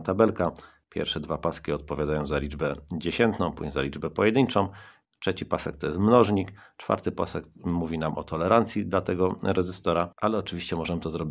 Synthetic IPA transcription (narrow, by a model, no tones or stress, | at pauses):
t̪abɛlka | pʲjɛ̰ɾfʂɛd̪vapaskʲiɔt̪̚pɔvʲjad̪ajɔ̃w̃zalʲid͡ʐbɛd͡ʑeɕɛnt̪nɔ̃w̃pṵɲza̰lʲid͡ʐbɛpɔjɛd̪ɘɲt͡ʂɔ̃w̃ | tʂɛt͡ɕipasɛk̚t̪ɔjɛst̪mnɔʐɲikt͡ʂfa̰ɾt̪ɘpa̰sɛkmuvʲinamʔɔt̪ʰɔlɛɾant̪sʲjid̪lat̪ɛɡɔɾɛʐɘst̪ɔɾaalɛɔt͡ʂɘvʲiɕt͡ɕɛmɔʐɛmɘt̪ɔzɾɔbʲi